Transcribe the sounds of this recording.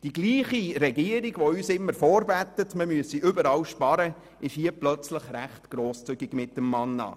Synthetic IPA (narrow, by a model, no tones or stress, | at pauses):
d̥iɡliːχiɾɛɡiəɾiɡ̥ʋoyːsɪmːəɾfɔːɾbæt̪ːətməmyəsiʔʏbəɾɑːwʃpɑɾə | ʔɪʃhiəplœt͡sləχɾæχtɡ̥ɾoːst͡sʏɡiɡmɪtːəmːɑnːɑ̰ː